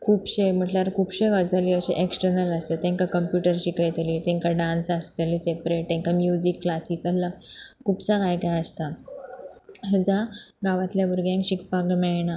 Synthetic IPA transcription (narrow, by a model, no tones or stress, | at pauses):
kʰuːpɕem̤əʈlaɾkʰuːpɕeʋəd͡zaliːəɕḛʔeksʈəɾnələst̪et̪ɛ̃ŋkakəmpjuʈəɾɕikəjt̪liːt̪ɛ̃ŋkaɖansast̪eliːsepɾeʈ̚t̪ɛ̃ŋkamjud͡ʑikːlasiːsəlːakʰuːpsakajkajəst̪a | əd͡ʑaɡaʋat̪ljabʱuɾɡjãŋkɕikpaɡmɛɭɳa